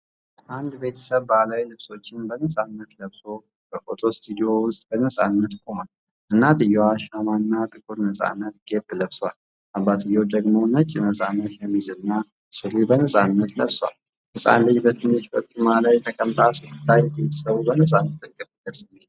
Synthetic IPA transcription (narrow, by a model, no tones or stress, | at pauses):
and̪be̞t̪ʰə̥səβbalajlɨβso̞t͡ʃːɪnbənəsʼanːət̪ləβso̞ | b̥əfo̞t̪ʰo̞st̪ʰʼud̪io̞wʊst̪ʼbənəsʼanːət̪kʼomal | ʔɨnːat̪ɨjːoaʃamanːat̪ʼɨkʼuɾnəsʼa̰nːət̪ɡ̥ebːləβswal | ʔabːat̪ʰɨjːod̪əɡmonət͡ʃʼːɪnəsʼanːət̪jɛmizɨnːa | suɾibənəsʼanːət̪ləβswa̰l | hɨsʼa̰nllɨɲbət̪ʰɨnːɨʃbəkʼumalajt̪ʰəkʼəmt̪ʼasɨkɨt̪ʰːajbe̞t̪ʰə̥səβubənəsʼanːət̪kʼːəbɨbəsɨmːet̪